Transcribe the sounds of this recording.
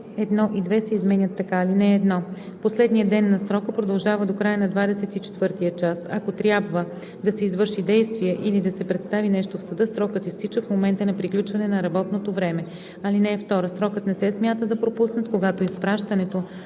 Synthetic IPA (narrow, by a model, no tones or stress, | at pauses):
ɛd̪nɔʔid̪vɛsɛizmɛnʲət̪ːɐkaːlinɛɛd̪nɔ | poslɛd̪nijəd̪ɛnːɐsɾɔkəpɾod̪ɐlˠʒavəd̪okɾajənɐd̪vad̪ɛsɛt̪it͡ʃɛ̥t̪vɤɾt̪iət͡ʃasɐ̰kot̪ɾʲjabvə | d̪ɐsɛizvɤɾʃid̪ɛjst̪viɛʔilid̪ɐsɛpɾɛt̪st̪avinɛʃt̪ofsɐd̪ɤsɾɔkət̪ist̪it͡ʃəfmomɛnt̪ənɐpɾiklʲut͡ʃvɐnɛnɐɾɐbɔt̪not̪ovɾɛmɛ | ɐlinɛːft̪ɔɾəsɾɔkət̪nɛsɛsmʲjat̪əd̪ɐpɾopusnət̪koɡat̪oispɾaʃt̪ɐnɛt̪o